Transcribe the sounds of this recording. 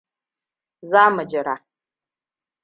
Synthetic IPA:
zaː˦mə˨d͡ʒɪ˨ɾa˨

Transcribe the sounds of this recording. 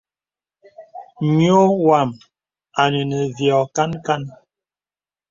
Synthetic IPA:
ɲjo˦wa˨m | a˨nə˨nə˨vjɔ˨ka˦nka˦n

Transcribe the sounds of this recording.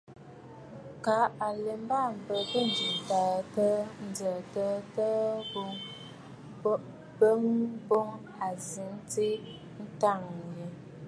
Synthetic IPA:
ka˨˦a˨le˨m˦ba˦˨m̩˨bə˨tə˦˨n˨d͡ʒi˨ta˨tə˦n̩˦d͡zə˨tə˦tə˦bo˦ŋ˦ | bə˦ŋbo˦ŋ | a˨zi˨ŋte˦ | n̩˦ta˦˨ŋ˨jə˨

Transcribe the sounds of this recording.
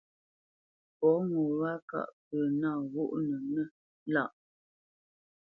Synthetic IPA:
pɔ˨˦ŋɔ˨βa˦ka̰˦˨ʔpə˨naː˦˨ɣu˦ʔnə˨nə˦ | la˦˨ʔ

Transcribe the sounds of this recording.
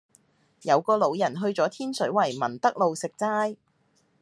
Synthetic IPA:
jɐ˨˧wkɔː˧lo˨˧wjɐ˨˩nɦɵ˧ɥt͡sɔː˨˥t̪ʰiː˥nsɵ˨˥ɥwɐ˨˩jmɐ˨˩nt̪ɐ˥k̚lo˨wsɪ˨k̚t͡saː˥j

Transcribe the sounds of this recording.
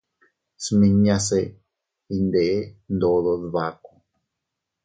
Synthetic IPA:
smĩ˧ɲã˧se˧ | i˧nd̪e˨ʔe˦nd̪o˧ðo˧ðβa˧ko˧

